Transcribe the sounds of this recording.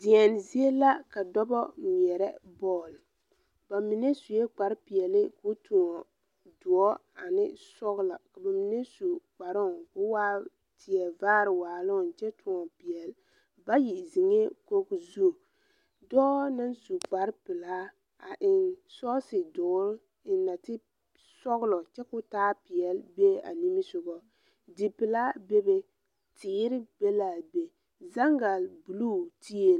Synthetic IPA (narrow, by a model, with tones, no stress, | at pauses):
di˨ɛ˨n˨zi˦e˦la˦ka˨dɔ˦bɔ˦m˨ɛ˨ɾɛ˦bɔː˦˨l | ba˨mi˨ne˦su˨jɛ˦k͡pa˨ɾpi˨ɛ˨lɪ˦kʊ˦tʰʊ˨ŋɔ˨ | dʊ˨ɔ˦a˨nɪ˦sɔ˦ɣla˨ka˨ba˨mi˨ne˦su˨k͡pa˨ɾʊ˦˨kʊ˦waː˦ | tʰɪ˨ɛ˨vaː˦ɾɪ˨waː˨lʊ˦˨n˨t͡ʃɛ˦tʰʊ˨ŋɔ˨pi˨ɛ˨l | ba˦ji˨zi˨ŋe˦ko˦kzu˦˨ | dɔː˦na˦nsu˨k͡pa˨ɾpɪ˨la˦ | a˨ʔɪ˨nsɔ˦sɪ˨dʊ˨˦ɾ | ɪ˨na˨tɪ˦ | sɔ˦ɣlɔ˨t͡ʃɛ˦kʊ˦taː˦pɪ˨ɛ˨lbe˦a̰˨ni˦mi˦sʊ˨ɡɔ˨ | dɪ˨pɪ˨la˦be˦be˨ | tʰɪː˨˦ɾɪ˦be˦la˨be˨ | za˦ŋɡa˨lbu˨lu˦tʰi˦e˦˨